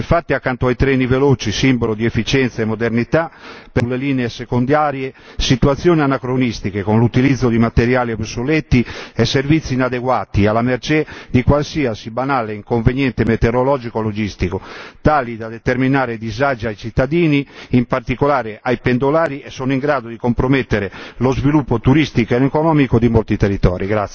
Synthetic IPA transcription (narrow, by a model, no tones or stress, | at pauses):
iɱfat̪ːiakːant̪oajt̪ɾeːniveloːt͡ʃisimbɔlod̪iefːit͡ʃɛnt̪saɛmːod̪eɾnit̪aplːeliːneesekond̪jaːɾje | sit̪uwat̪sːjɔːnianakɾonist̪ikekonlut̪ilid̪zːod̪imat̪eɾjaːlipsolɛt̪ːiɛsːervit̪sːinad̪eɡwaːt̪ialameɾt͡ʃɛd̪ikwalsiːasibanaːleiŋkoɱvenjɛnt̪emɛt̪eɾolɔːd͡ʒikolod͡ʒist̪ikot̪aːlid̪ad̪et̪eɾminaːɾed̪izad͡ʒiajt͡ʃit̪ːad̪iːniːmpaɾt̪ikolaːɾeʔajpend̪olaːɾiɛsːɔnoiŋɡɾaːd̪od̪ikompɾomɛt̪ːeɾelozvilupːot̪uɾist̪ikoɛnekonɔmikod̪imolt̪it̪erit̪ɔ̰ːɾiɡɾat̪s